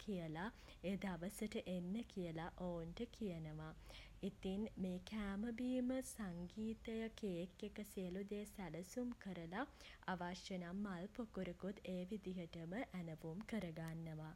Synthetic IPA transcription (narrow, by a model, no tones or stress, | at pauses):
kʰijəla | eːd̪aʋəsəʈəʔenːəkijəlaʔoːnʈəkijənəʋa | it̪inmeːkæːməbiːməsaŋɡiːt̪əjɐkeːkjekəsiəlud̪eːsæləsumkəɾəla | aʋaʃjənamːalpokuɾukut̪ʰeːʋid̪iɦəʈəməʔænəʋumkəɾəɡanːəʋa